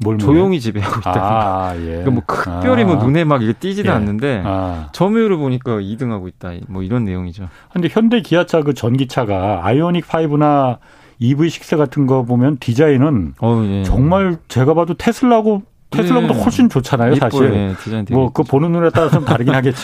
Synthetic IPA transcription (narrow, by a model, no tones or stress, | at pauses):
moɭmojjoŋit͡ɕibeɦaɡoiatajekamwʌkɯkp͈jʌɾimʌnune̞maɡiɡet͈id͡ʑinanːɯnde̞at͡ɕʌmjuɾɯɭboɲik͈aidɯŋɦaɡoit̚t͈amwʌiɾʌnːe̞joŋid͡ʑo | handeçjʌnde̞kijat͡ɕʰakɯt͡ɕʌnɡit͡ɕʰaɡaa̰ionik̚pʰaibɯna | ibɯiɕʰi̥k̚s͈eɡatʰɯnɡʌbomjʌntid͡ʑainɯnʌjet͡ɕʌŋmaɭt͡ɕe̞ɡabadotʰe̞sʰɯɭːaɡo | tʰesʰɯɭːaɡotdokʰoɕ͈ʰint͡ɕot͡ɕʰanajosʰaɕiɾetid͡ʑainmʌkɯponɯnːunet͈aɾt͡ɕomtaɾɯɡinɦaɡe̞t͡ɕ͈